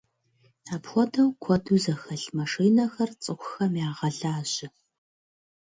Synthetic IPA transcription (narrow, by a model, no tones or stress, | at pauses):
aːpxʷɔdʰɐwkʷʰɔduzɐxɐɬmɐʂiːnɐxɐrt͡sʼɨxʷʊxɐmjaːʁɐɮaːʑɪ